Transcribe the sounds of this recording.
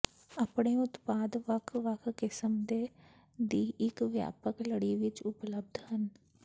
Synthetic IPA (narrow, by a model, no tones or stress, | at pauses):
əpɽ̃eʊt̪paːd̪ʋəkʰʋəkʰkɪsəmd̪e | d̪iːʔɪkʋja̰ːpəkləɽiʋɪt͡ʃʊpləb̚d̪ʱɦən